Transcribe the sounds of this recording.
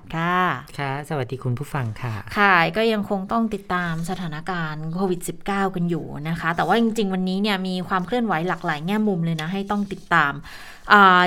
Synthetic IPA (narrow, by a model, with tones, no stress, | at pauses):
kʰa˥˩kʰa˦˥˩sa˧wa˨˩t̪̚diː˧kʰu˧npʰuː˥˩fa˧ŋkʰa˥˩kʰa˥˩kɔː˥˩ja˧ŋkʰo˧ŋt̪ɔ˥˩ŋt̪i˨˩t̪ːaː˧msa˧aː˩˦na˦˥kaː˧nkʰoː˧wi˨˩t̪̚si˨˩p̚kaː˥˩wka˧njṵː˨˩na˦˥kʰa˦˥t̪ɛː˨˩waː˥˩t͡ɕi˧ŋt͡ɕi˧ŋwa˧nːiː˦˥ni˥˩əmiː˧kʰwaː˧mkʰlɯ˥˩ənwa˩˦jla˨˩k̚laː˩˦jŋɛː˥˩mu˧mlɤː˧jna˦˥ɦa˥˩jt̪ɔ˥˩ŋt̪i˨˩t̪ːaː˧m | ʔəː˨˩